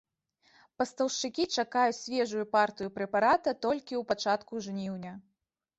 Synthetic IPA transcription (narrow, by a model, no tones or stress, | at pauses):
pɐst̪ɐwʂt͡ʂɨkʲit͡ʂakajusʲvʲɛʐujupart̪ɨjupɾɛpaɾat̪ɐt̪ɔlʲkʲiwpat͡ʂat̪kuʐnʲiwnʲɐ